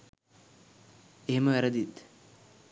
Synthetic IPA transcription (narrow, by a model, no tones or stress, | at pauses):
eɦemɐʋɛɾɐd̪it̪